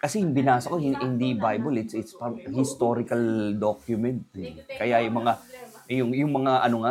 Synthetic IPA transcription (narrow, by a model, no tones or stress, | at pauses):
kɐsɛjʊŋbɪnaːsɐkohɪɪnd̪ibajbolɪt̪sʔɪt̪spɐhɪst̪o̞ɾɪkɐld̪okjʊmɛnt̪̚ɛkɐjajʊŋmɐŋa | jʊŋjʊŋmɐŋaʔɐnoŋa